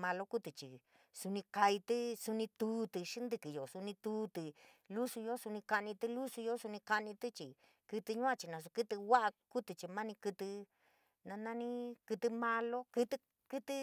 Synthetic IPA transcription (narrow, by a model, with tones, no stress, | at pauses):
mã˧lo˦ku˦t̪ɨ˨t͡ʃi˨ | su˧nĩ˧ka˧i˧t̪ɨ˦su˧nĩ˧t̪uː˨˦t̪ɨ˧ʂi˦nd̪ɨ˧kɨ˨jo˨su˧nĩ˧t̪uː˧˦t̪ɨ˨ | lu˦su˧jo˦su˧nĩ˧ka˧nĩ˧t̪ɨ˧lu˦su˧jo˦su˧nĩ˧ka˧nĩ˧t̪ɨ˦t͡ʃi˨ | kɨ˧t̪ɨ˧ɲũ˦ã˧t͡ʃi˧nã˧s̬u˧kɨ˦t̪ɨ˧wa˦ʔa˧ku˦t̪ɨ˧t͡ʃi˧mã˦nĩ˧kɨ˧t̪ɨ˧ | nã˧nã˧nĩ˦kɨ˧t̪ɨ˧mã˧lo˦kɨ˧t̪ɨ˧ | kɨ˧t̪ɨ˧